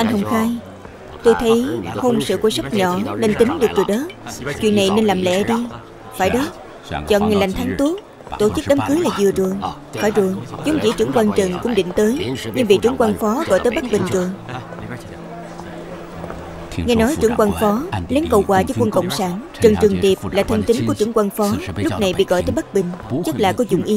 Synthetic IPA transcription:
ʔa˧jŋ̟ɦə˧wŋ͡mxaː˧j | t̪o˧jt̪ʰə˨˦jho˧ŋ͡msɨ̰˧˨ku˧əsa˦˥k͡p̚ɲɔ˧˩˦ne˧nt̪ï˨˦ŋɗɨ˨˩ək̚t͡ɕɨ˨˩ɗə˨˦t͡ɕwḭ˧˨ənːa˨˩jne˧nlaː˨˩mlɛ̰˧˥ɗi˧ | faː˧˩jɗɔ˨˦˥ | t͡ɕɔ̰˧˨nŋa˨˩jla˨˩ŋ̟t̪ʰa˨˦ŋt̪u˨˦˥ək̚ | t̪o˧˩t͡ɕɨ˦˥k̚ɗaː˨˦mkɨ˨˦laː˨˩zɨ˨˩ət͡ɕɨ˨˩əŋ | faː˧˩jzɨ˨˩əŋt͡ɕu˨˦ŋ͡mt͡ɕḭ˧˥t͡ɕɨ̰˧˩əŋkwaː˧nt͡ɕə˨˩ŋkʊ̰˧˥ŋ͡mɗḭ˧˨ŋ̟t̪əː˨˦jɲɨ˧ŋvḭ˧˨t͡ɕɨ˧˩˥əŋkwaː˧nfɔ˨˦ɣɔ̰˧˨jt̪əː˨˦jɓa˦˥k̚ɓï˨˩ŋ̟zɨ˨˩əŋ | ŋaː˧jnɔ˨˦jt͡ɕɨ˧˩əŋkwaː˧nfɔ˨˦lɛ˨˦ŋkə˧˩wkwaː˨˩t͡ɕɔ˧˦kwə˧nkə̰˧˨wŋ͡msaː˧˩n | t͡ɕə˨˩ŋt͡ɕɨ˨˩əŋt̪i˨˩əp̚laː˨˩t̪ʰə˧ŋt̪ï˨˦ŋku˧˩ət͡ɕɨ˧˥əŋkwaː˧nfɔ˨˦lʊ˥k͡p̚na˨˩jɓḭ˧˨ɣɔ̰˧˨jt̪əː˨˦jɓk̚ɓï˨˩ŋ̟t͡ɕə˦˥k̚laː˨˩kɔ˨˦zʊ̰˧˨ŋ͡mʔi˨˧˦

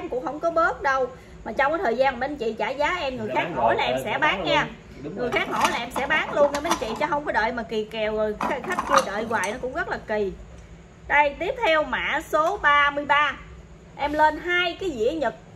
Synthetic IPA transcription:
mkʊ̰˧˥ŋ͡mhə̰˧˥wŋ͡mkɔ˨˦ɓəː˦˥t̚ɗə˧w | maː˨˩t͡ɕɔ˧wŋ͡mkaː˨˦t̪ʰːjzaː˧n˨ɓe˧˦nt͡ɕḭ˧˨t͡ɕaː˧˩zaː˨˦ʔɛ˧mŋɨ˨˩əjxaː˦˥k̚ho˧˩jlaː˨˩ʔɛ˧msɛ̰˧˥ɓaː˨˦ŋɲɛ˧ | ŋɨ˨˩əjxaː˦˥k̚ho˧˩jlaː˨˩ʔɛ˧msɛ̰˧˥ɓaː˨˦ŋlu˧ənʔɛ˧ɓe˧nt͡ɕḭ˧˨t͡ɕɔ˨˦ɦə˧wŋ͡mkɔ˨˦ɗə̰ː˧˨jmaː˨˩ki˨˩kɛ˨˩wəː˨˩xxa˦˥k̟̚t͡ɕɨ˧ət͡ɕə̰ː˧˨jɣwaː˨˩jnɔ˨˦kʊ̰˧˥ŋ͡mɣə˦˥t̚laː˨˩ki˨˩ | ɗə˧jt̪i˦˥əp̚t̪ʰɛ˧wma̰ː˧˨˥so˨˦ɓaː˧mɨ˧əjɓaː˧ | ʔɛ˧mle˧nɦaː˧jkaː˨˦jzḭ˧˥əɲə˨˩t̚

